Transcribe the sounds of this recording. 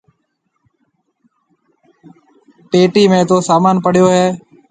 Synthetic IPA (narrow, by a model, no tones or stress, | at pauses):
peːʈiːmẽːt̪oːsaːmaːnpəɽ̤ɪjoːɦeː